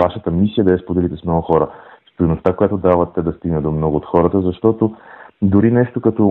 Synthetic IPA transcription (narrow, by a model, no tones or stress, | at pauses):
vaʃət̪əmisijəd̪ɐɛspod̪ɛlit̪ɛsmnɔɡʊxɔɾəst̪ənost̪akojat̪oʊd̪avət̪ːɛd̪ɐst̪iɡnəd̪omnɔɡʊːt̪xɔɾət̪əzɐʃt̪ɔt̪od̪ʊɾinɛʃt̪okɐt̪ɔ